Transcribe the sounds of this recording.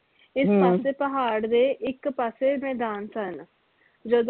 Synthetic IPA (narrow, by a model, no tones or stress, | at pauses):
ɪspaːseːpəɦaːɽd̪eːʔɪkpaseːmɛːd̪aːnsən | d͡ʒəd̪